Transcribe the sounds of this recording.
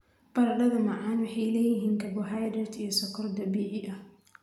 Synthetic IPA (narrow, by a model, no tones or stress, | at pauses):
b̥ɐɾɐɖɐðɐmɐʕaːnwɑħɑjlɛːjɪɦiːŋkʰɐbʊɦajd̪ɾɛt̪ijɔsɐkʰɐrd̪ɐbiːʕɪʔɐh